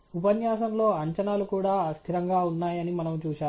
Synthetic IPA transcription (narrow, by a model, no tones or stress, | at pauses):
upɐnjaːʃɐmlo̞ːɐɲt͡ʃɐnaːlukuːɽaːɐst̪ʰiɾɐŋɡaːunːaːjɐnimɐnɐmt͡ʃuːʃaː